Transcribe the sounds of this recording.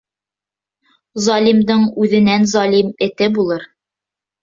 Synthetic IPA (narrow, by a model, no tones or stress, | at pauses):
zɑlʲimd̪ɤɴʉðɘ̆nænzɑlʲimɘ̆t̪ɘbulˠɤɾ